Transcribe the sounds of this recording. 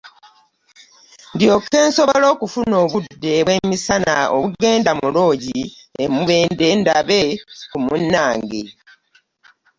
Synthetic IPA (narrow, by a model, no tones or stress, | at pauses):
ndjo̞kːe̞ːnso̞βolo̞ːkufuno̞ːβudːe̞βwe̞misana̰ʔo̰βuɡe̞ːndamulo̞ːɟi | emuβe̞ːnde̞ːndaβe̞kumunːaːŋɡḛ